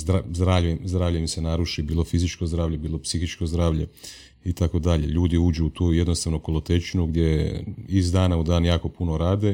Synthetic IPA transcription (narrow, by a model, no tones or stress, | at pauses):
zɾazd̪ɾaʋʎujemzd̪ɾaːʋlʎeemse̞naɾuʃibiːlˠofizit͡ʃkozd̪ɾaːʋʎe̞biːlˠo̞psixit͡ʃko̞zd̪ɾaːʋʎe̞̰ | it̪ako̞d̪aʎe̞̰ʎuːd̪iuːd͡ʒuːt̪uːje̞d̪nost̪aʋnokolˠot̪e̞t͡ʃinuɡd̪jeizd̪aːnaud̪aːnjaːko̞puno̞ɾaːd̪e